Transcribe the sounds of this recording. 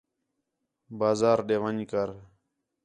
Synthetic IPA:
baːzaːɾɗeːʋəɲkəɾ

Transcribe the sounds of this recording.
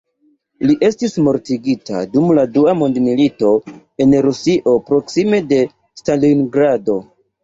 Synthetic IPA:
liʔe̞stismo̞ɾtiɡita̰dumladuamondmilito̞ | e̞nɾusiʔo̞pɾo̞ksime̞de̞ | stalinɡɾado̞

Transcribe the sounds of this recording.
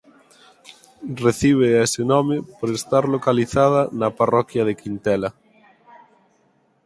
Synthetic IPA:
reθiβ̞eesɪnɔmɪpoɾest̪aɾlokaliθað̞ɐnɐparɔkjɐð̞ekint̪ɛlɐ

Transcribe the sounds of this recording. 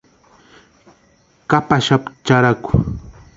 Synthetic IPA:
kapaʃapt͡ʃaɾakʊ̥

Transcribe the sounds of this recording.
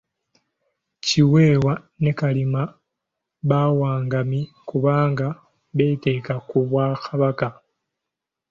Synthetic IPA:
ciwe̞ːwa | nekalima | βawaːŋɡami | kuβaːŋɡa | βe̞ːte̞ːkakuβwaːxaβaka

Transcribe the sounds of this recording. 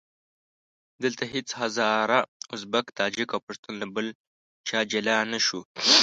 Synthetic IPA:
d̪əlt̪aɦɪt͡shazɑɾaʊsbakt̪ɑd͡ʒikawpʊʂt̪unlabəl | t͡ʃɑːd͡ʒalɑnaʃu

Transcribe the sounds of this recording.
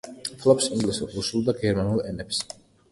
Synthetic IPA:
pʰlˠɔpsiŋɡlisuɾɾusulˠd̪aɡɛɾmanulˠɛnɛps

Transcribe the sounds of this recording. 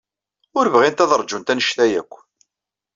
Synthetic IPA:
ʊɾvʁint̪æðəɾˤd͡ʒunt̪ænəʃθæjækʷː

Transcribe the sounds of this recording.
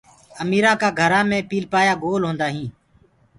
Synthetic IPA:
əmiːɾãːkaːɡʱəɾãːmẽːpiːlpaːjaːɡoːlɦõːnd̪aːɦĩː

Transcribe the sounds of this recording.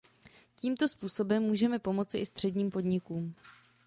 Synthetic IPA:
ciːmt̪o̞spuːso̞bɛmːuːʒɛmɛpo̞mo̞t͡sɪʔɪst̪r̝̥ɛdɲiːmpo̞dɲɪkuːm

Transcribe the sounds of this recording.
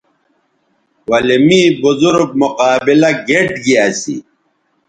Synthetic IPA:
wɐlimiːbuzuɾɡ̚muqaːbilɐɡeʈɡiaːsḭ

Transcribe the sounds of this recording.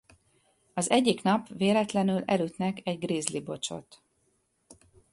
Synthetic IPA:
ɒzɛɟːiknɒpʋeːlɛt̪lɛnylɛlyt̪nɛkɛɟɡriːzlibo̞t͡ʃo̞̰t̪

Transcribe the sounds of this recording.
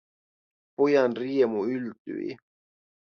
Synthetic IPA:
pojɑnriemuylt̪y̰ḭ

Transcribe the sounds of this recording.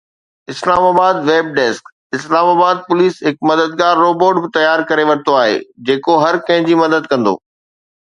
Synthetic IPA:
ɪslaːmaːbaːd̪ʋeːb̚ɖeːsk | ɪslaːmaːbaːd̪̚pʊliːsɦɪkmɐd̪əd̪ɡaːɾːoːboːɖbɪt̪ɐjaːɾkɐɾeʋɐɾt̪oaːɦḛːd͡ʑeːkoɦɐɾkɐ̃ɦɪ̃ɲd͡ʑiːmɐd̪əd̪kɐ̃nd̪o̰ː

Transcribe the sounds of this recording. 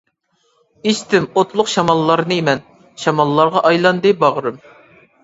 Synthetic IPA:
iʃt̪ɪmot̪lˠʊqʃɑmɑlˠːɑɾnɨemɛn | ʃɑmɑlˠːɑɾʁɑʔɑjlˠɑnd̪ɨbɑʁɾɨm

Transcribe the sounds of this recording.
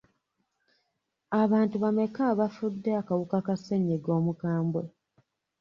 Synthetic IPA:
aβaːntuβame̞kaβafudːeakawukakaseɲːeɡo̞ːmukaːmbwe

